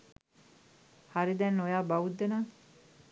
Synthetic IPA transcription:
haɾid̪ɛnːojaːbaud̪ːenaː

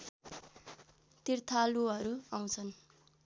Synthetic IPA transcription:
t̪irt̪ʰaluʌɾuaw̃t͡sʰʌn

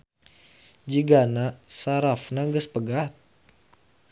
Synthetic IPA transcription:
d͡ʒiɡanasaɾafnaɡəspəɡat̪̚

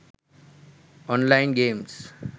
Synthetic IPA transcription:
ɔ̃ːnlãɪ̃nɡẽːms

